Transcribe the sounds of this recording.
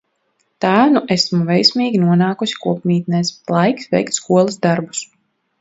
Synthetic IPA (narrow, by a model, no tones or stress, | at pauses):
t̪aːnuʔesmuvɛjsmiːɡʲinuɔnaːkusʲi̥kuɔpmʲiːt̪̚nɛslˠajksvɛ̰jkt̪skuɔlˠasd̪aɾbu̥s